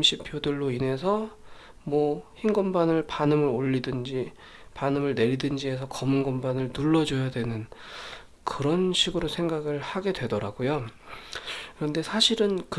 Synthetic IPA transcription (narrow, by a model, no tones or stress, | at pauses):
mɕʰipʰjodɯɭːoine̞sʰʌ | mwʌçinɡʌmbanɯɭpanɯmɯɾoʎːidɯnd͡ʑi | panɯmɯɭne̞ʎːidɯnd͡ʑie̞sʰʌkʌmɯnɡʌmbanɯɭnuɭːʌd͡ʑojadwe̞nɯn | kɯɾʌnɕʰiɡɯɾosʰe̞ŋɡaɡɯɭhaɡe̞dwe̞dʌɾa̰ɡojo | kɯɾʌnde̞sʰaɕʰiɾɯnkɯ